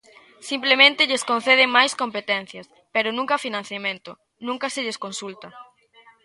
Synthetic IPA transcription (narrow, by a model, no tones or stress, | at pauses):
simplemẽnt̪ɪʎeskõnθeð̞ɪmajskompet̪ɛn̟θjɐs | peɾʊnũŋkɐafinãnθjamẽnt̪ʊ | nũŋkɐseʎeskonsult̪ɐ